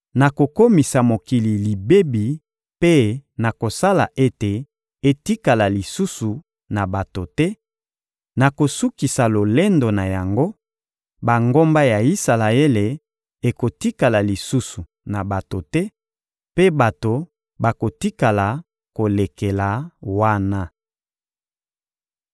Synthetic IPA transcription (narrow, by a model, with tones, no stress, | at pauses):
na˨ko˨ko˦mi˨sa˨mo˨ki˨li˨li˨be˦bi˨ | pe˦na˨ko˨sa˦la˨ʔe˦te˨ | e˨ti˦ka˨la˨li˨su˦su˨ | na˨ba˨to˨tɛ˦ | na˨ko˨su˦ki˨sa˨lo˨le˦ndo˨na˨ja˨ŋɡo˦ | ba˨ŋɡo˦mba˦ja˨i˦sa˨la˨e˦le˨ | e˨ko˨ti˦ka˨la˨li˨su˦su˨ | na˨ba˨to˨tɛ˦ | pe˦ba˨to˨ | ba˨ko˨ti˦ka˨la˨ | ko˨le˨ke˨la˨wa˦na˦